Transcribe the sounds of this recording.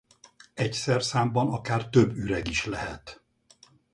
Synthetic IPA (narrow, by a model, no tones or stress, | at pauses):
ɛcsɛrsaːmbɒnɒkaːrt̪øbːyɾɛɡiʃlɛɦɛt̪